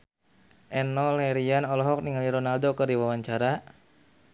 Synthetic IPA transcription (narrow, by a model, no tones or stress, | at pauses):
ʔɛnɔlɛɾianɔlɔɦɔk̚niŋaliɾɔnaldokɨrdiwawaɲt͡ʃaɾa